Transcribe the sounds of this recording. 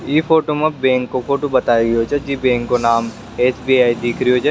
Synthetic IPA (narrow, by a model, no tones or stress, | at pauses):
iːfoːʈomɐbɛ̃ːŋkːofoːʈobɐt̪aːjeɡiot͡ʃɐd͡ʒiːbẽːŋkːonaːm | eːsbiːaːid̪iːkʰɾioːt͡ʃʰɐ